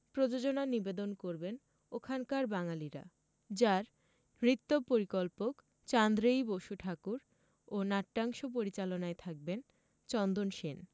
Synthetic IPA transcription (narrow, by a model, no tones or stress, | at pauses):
pɾod͡ʑod͡ʑonanibed̪onkoɾben | okʰankaɾbaŋaliɾa̰ | d͡ʑaɾ | mɾit̪ːopoɾikolpok | t͡ɕand̪ɾejboʃuʈʰakuɾ | onaʈːaŋʃop̬oɾit͡ɕalonaet̪ʰak̚ben | t͡ɕɔnd̪onʃen